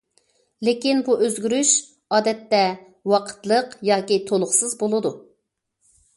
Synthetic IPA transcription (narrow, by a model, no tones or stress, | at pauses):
lɪkʲinbuʔøzɡʲyɾyʃ | ɑːd̪ɛt̪ːɛ | wɑqʰə̥t̪lˠəqjɑːkʲit̪ʰolˠʊχsɨzbolˠɨd̪u